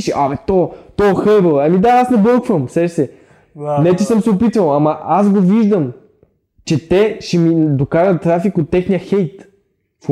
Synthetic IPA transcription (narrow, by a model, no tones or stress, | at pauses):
ʃɛʔamɛt̪ɔt̪ɔxɤbəlˠɐmid̪aasnɛbɤlˠkvəmsɛʃsɛ | nɛt̪isəmsɛopit̪vɐlˠɐmɐʔasɡoviʒd̪əm | t͡ʃɛt̪ɛʃɛmid̪okaʒətt̪ːɾafikot̪ːɛxnijəxɛjt̪ | f